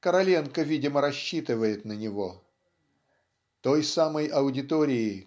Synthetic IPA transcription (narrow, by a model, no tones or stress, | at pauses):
kəɾɐlʲenkəvʲidʲɪməɾɐɕːit̪ɨvəjɪt̪nənʲɪvo | t̪ojsaməjɐʊdʲɪt̪oɾʲɪɪ